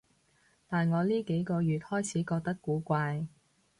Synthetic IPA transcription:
t̪aː˨nŋɔː˨˧liː˥ke˨˥jkɔː˧jyː˨˧t̚hɔː˥jt͡sʰiː˨˥kɔː˧k̚t̪ɐ˥kːuː˨˥kʷaː˧j

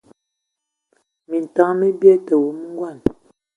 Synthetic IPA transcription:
mi˨n̩˨ta˦mə˦bjɛ˦tə˨wu˨˦m˦ŋ˦ɡwa˦˨n

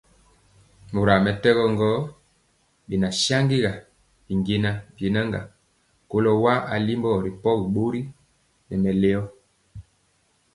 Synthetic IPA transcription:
mo˨ɾa˨mɛ˨tɛ˦ɣɔ˦ŋɡɔ˦ | ɓi˨na˨ʃa˦ŋɡi˦ɣa˨ | i˨ŋɡe˦na˦bje˨na˦ŋɡa̰˨ | ko˦lɔ˦wa˦a˨li˦mbɔ˦ɾi˨pɔ˦ɣi˨ɓo˦ɾi˦ | nɛ˨mɛ˨le˦ɔ˦

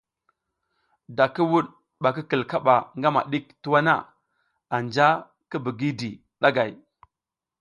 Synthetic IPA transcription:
da˨ki˦wu˦ɗ | ɓa˨ki˦kə˨lka˦ɓa˨ŋɡa˦ma̰˨ɗi˦ktu˦wa˦na̰˦˨ | a˨nd͡ʒa˦ | ki˦bi˨ɡi˦di˨ | ɗa˦ɡa˨j

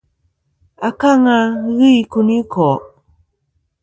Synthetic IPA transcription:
a˨ka˦ŋa˧ɣi˦i˨ku˧ni˦kʰɔ˨

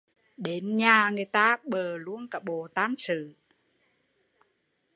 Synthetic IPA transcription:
ɗe˨˦nɲaː˨˩ŋɨ˨˩əjt̪aː˧˥ɓəː˨˩lu˧˥ənkaː˨˩ɓo˧˩˨t̪aː˧˥nsɨ̰˧˨

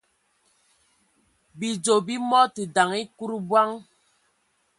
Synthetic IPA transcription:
bi˨d͡ʒo˨bi˦mɔ˦ti˨da˨ŋi˦ku˦ɾbwa˦ŋ

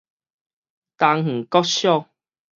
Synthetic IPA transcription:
t̪a˧ŋŋ̩˨˩kɔ˦tɕjɔ˥˦˨

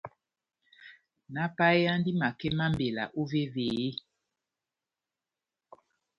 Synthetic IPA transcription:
na˦pa˦e˦a˦ndi˦ma˨kɛ˦ma˦mbe˨la̰˨ʔo˦ve˦ve˨e˦

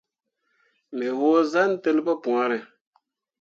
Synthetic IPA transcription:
mɛ˨woː˦za˦n˦te˦lba˦pũ˨a˦ɾɨ˨

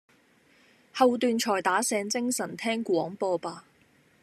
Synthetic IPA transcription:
hɐ˨˧wt̪yː˨˧nt͡ʃʰɔː˨˩jt̪aː˨˥sɛː˨˧˥ŋt͡sɪ˥ŋsɐ˨˩nt̪ʰɛː˥ŋkʷwɔː˨˥ŋpɔː˧paː˧

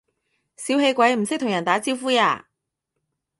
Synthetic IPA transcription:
siː˨˥whe˧jkʷɐ˨˥jm̩˨˩sɪ˥k̚t̪ʰʊ˨˩ŋjɐ˨˩nt̪aː˨˥t͡si˥wfuː˥ja̰ː˧

